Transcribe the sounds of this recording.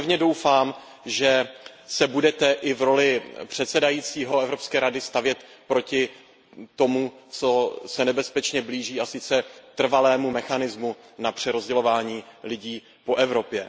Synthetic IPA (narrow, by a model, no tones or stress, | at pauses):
vɲɛdo̞wfaːm | ʒɛ | sɛbudɛt̪ɛʔɪvɾo̞lɪpr̝̥ɛt̪sɛdajiːt͡siːɦo̞ɛvɾo̞pskɛːɾadɪst̪avjɛt̪ | pɾo̞cɪ | t̪o̞mut͡so̞sɛnɛbɛspɛt͡ʃɲɛbliːʒiːasɪt͡sɛt̪r̩valɛːmumɛxanɪzmu | napr̝̥ɛɾo̞zɟɛlo̞vaːɲiːlɪɟiː | po̞ʔɛvɾo̞pjɛ